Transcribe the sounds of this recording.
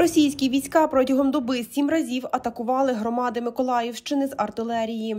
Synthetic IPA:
ɾɔsʲijsʲkʲiʋʲijsʲkɑpɾɔtʲɐɦɔmd̪ɔbɪsʲimrɐzʲiwɐt̪ɐkʊʋɑlˠɪɦɾɔmɑd̪ɪmɪkɔlˠɑjɪwʃt͡ʃɪnɪzɐrt̪ɪlˠɛɾʲiji

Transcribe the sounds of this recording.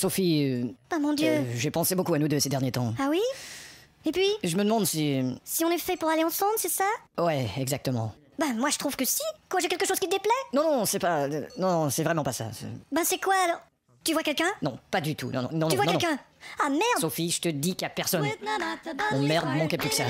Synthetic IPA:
sofiøamɔ̃d̪jøʒepɑ̃sebokuanud̪øsed̪ɛʁnjet̪ɑ̃awi | epɥiʒəməd̪əmɑ̃d̪sisiɔ̃nɛfɛpuʁaleɑ̃sɑ̃blsɛsawɛɛɡzak̚t̪əmɑ̰̃ | bamwaʒə̥t̪χuv̥kəsik̪waʒekʲɛlkəʃoz̥kit̪əd̪eplɛnɔ̃nɔ̃sɛpanɔ̃nɔ̃sɛvʁɛmɑ̃pasa̰ɛ̰bɛ̃sɛkwaːlɔʁ | t̪yvwakʲɛlkʲɛ̃nɔ̃pad̪yt̪ṵnɔ̃nɔ̰̃nɔ̃nyvwak̪ɔ̃ɛ̃kɛ̃ | amɛʁd̪sofiʒət̪əd̪ikapɛʁsɔn | ɔ̃mɛʁd̪mɑ̃kɛplykə̥sa

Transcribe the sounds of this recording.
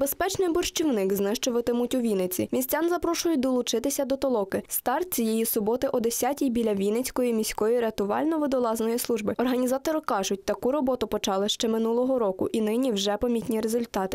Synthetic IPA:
bespɛt͡ʃnɪjbɔrʃt͡ʃiwnɪkznɪʃt͡ʃʊʋɐt̪ɪmʊtʲʊʋʲinɪt͡sʲimʲisʲt͡sʲɑnzɐpɾɔʃʊjʊt̚ʲd̪ɔlˠʊt͡ʃɪt̪ɪsʲɐd̪ɔt̪ɔlˠɔkɪst̪ɑrt̪̚t͡sʲijɛjisʊbɔt̪ɪʔɔd̪esʲatʲijbʲilʲɐʋʲinɪt͡sʲkɔjimʲisʲkɔjiɾeɐt̪ʊʋɑ̰lʲnɔʋɪd̪ɔlˠɑznɔjislˠuʒbɪɔrɦɐnʲizɑt̪ɔɾɪkɑʒʊt̚ʲt̪ɐkuɾɔbɔt̪ʊpɔt͡ʃɑlˠɪʃt͡ʃɛmɪnulˠɔɦɔɾɔkʊ̰ʔinɪnʲiwʒɛpɐmʲit̪ʲnʲiɾezʊlʲt̪ɑt̪ɪ̥

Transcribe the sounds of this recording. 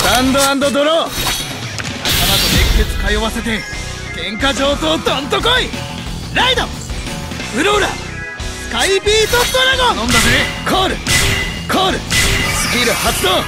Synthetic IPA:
ãnd̪oãnd̪o̞d̪oɾo | nakamad̪ot̪eki̥ket͡sɨ̥kajoβase̞t̪e̞ | kẽ̞ŋkad͡ʑo̞ːt̪o̞ːt̪ãnt̪̬okoi | ɾaid̪o | ɯ̟ɾoɯɾa̰ | skaibʲiːt̪ost̪oɾaɡanõnd̪azekʰoːɾɯ̟kʰoːɾɯ̟sbʲiːɾɯ̟hat̪ːoː

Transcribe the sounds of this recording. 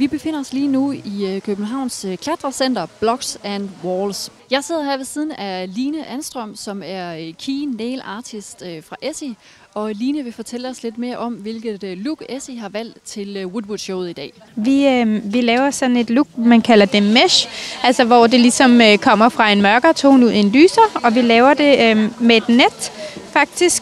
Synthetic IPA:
ʋib̥e̝fe̝n̰ɐɒ̽sliːnuikʰøb̥̚n̩ɦɑ̈ʊ̰nskʰlæd̥ʁɐsen̰d̥ɐb̥lɒ̽ɡ̥sæn̥wɒːlsjɑ̈ɪse̝ð̞̰ˠɐɦæɐʋe̝siːð̞ˠn̩æliːnəʔænsd̥ʁœm̰sɒ̽mæɐkʰiːneːlɑ̈ːt͡sʰisd̥fʁɑ̈ʔesi | ɒ̽liːnəʋe̝fɒ̽t͡sʰel̰əɒ̽sle̝d̥me̝ːɐʔɒ̽mʋe̝lɡ̥ð̩ˠluɡ̥esiɦɑ̈ʋæl̰d̥t͡sʰe̝lwud̥wud̥ɕɔʊð̩ˠid̥ɛ̰ː | ʋiøʋilɛːʊɐsɒ̽d̥n̩e̝d̥luɡ̥mænkʰælɐd̥e̝meɕʔælsɒʋɒd̥e̝lisɒ̽møkʰɒ̽m̰ɐfʁɑ̈e̝nmɶɐɡ̥ɐt͡sʰo̝̰ːnuð̰ˠe̝nlyːsɐɒ̽ʋilɛːʊɐd̥e̝mee̝d̥ned̥fɑ̈ɡ̥̚d̥isɡ̥

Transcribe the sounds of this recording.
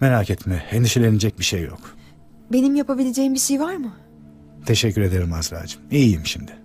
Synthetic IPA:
me̞ɾacʰɛt̪mɛːnd̪iʃelʲened͡ʒɛc̚biʃejːo̰k | be̞nimjapabilʲed͡ʒeːimbiʃejvaɾmɯ | t̪ʰe̞ʃɛcʰːyɾe̞d̪eɾimazɾa̰ːd͡ʒɯ̥mijjimʃimd̪ɪ

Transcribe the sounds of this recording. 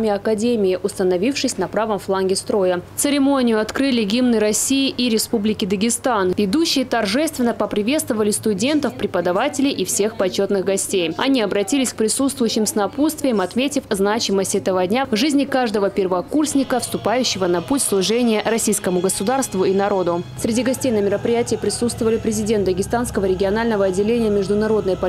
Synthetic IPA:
mʲɪɐkɐdʲemʲɪɪʔʊst̪ənɐvʲifʂɨsʲnɐpɾavəmflˠanɡʲɪst̪ɾo̞jət̪sɨɾʲɪmo̞nʲɪjʊɐt̪kɾɨlʲɪɡʲimnəjɾɐsʲiɪʔiɾʲɪspublʲɪkʲɪd̪əɡʲɪst̪anvʲɪd̪uɕːɪjət̪ɐrʐɛst̪vʲɪnːəpəpɾʲɪvʲet̪st̪vəvəlʲɪst̪ʊdʲe̞nt̪əfpɾʲɪpəd̪ɐvatʲɪlʲɪjʔifsʲe̞xpɐt͡ɕːo̞t̪nɨɣɡɐsʲtʲejɐ̰nʲiɐbɾɐtʲilʲɪsʲk̚pɾʲɪsut̪st̪vʊjʉɕːɪmsnɐpust̪vʲɪjəmɐt̪mʲetʲɪfznat͡ɕɪməsʲtʲɛt̪əvədʲnʲavʐɨzʲnʲɪkaʐd̪əvəpʲɪrvəkursʲnʲɪkəfst̪ʊpajʉɕːɪvənɐputʲslˠʊʐɛnʲɪjəɾɐsʲijskəmʊɡəsʊd̪arst̪vʊinɐɾo̞d̪ʊsʲɾʲɪdʲiɡɐsʲtʲejnəmʲɪɾəpɾʲɪjætʲɪjəpɾʲɪsut̪st̪vəvəlʲɪpɾʲɪzʲɪdʲet̪d̪əɡʲɪst̪anskəvəɾʲɪɡʲɪɐnalʲnəvəɐdʲːɪlʲenʲɪjəmʲɪʐd̪ʊnɐɾo̞d̪nəjpɐ

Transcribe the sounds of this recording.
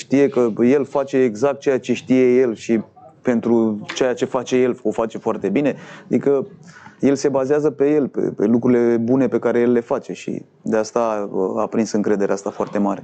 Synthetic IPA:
ʃt̪ije̞kəje̞lfat͡ʃe̞ːɡzak̚t̪̚t͡ʃejat͡ʃe̞ʃt̪ije̞je̞lʃi | pe̞nt̪ɾut͡ʃejat͡ʃe̞fat͡ʃe̞je̞lo̞fat͡ʃe̞foart̪e̞bine̞ad̪ikəje̞lse̞bazeazəpe̞je̞lpḛpe̞̰lukɾuile̞bune̞pe̞kaɾe̞jelːe̞fat͡ʃe̞ʃḭ | d̪east̪aa̰pɾinsɨŋkɾe̞d̪e̞ɾeast̪afoart̪e̞maɾe

